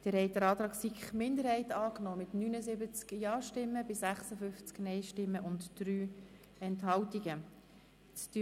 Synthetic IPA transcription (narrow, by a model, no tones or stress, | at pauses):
d̥əɾhɛɪdəɾɑːt̪ɾɑːksikχmɪnd̪əɾhɛɪtɑːknɔːmɪtnynəzɪbət͡skjɑːʃtɪmːəbɪsæχsəfʏft͡sknɛɪʃtɪmːəʔʊntd̥ɾyː | ɛntɦɑltiɡə | t͡sty